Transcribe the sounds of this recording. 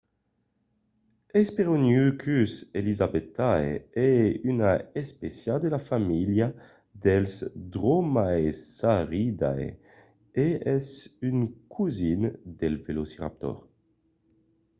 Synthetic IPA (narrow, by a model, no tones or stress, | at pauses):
ɛspeʁonykʰyselizabet̪ːaeɛynaespesjad̪elafamilja | d̪ɛlsd̪ʁomaesaʁid̪a̰j | eɛsynkʰuzind̪ɛlvelosiʁa̰p̚t̪ɔ̰ʁ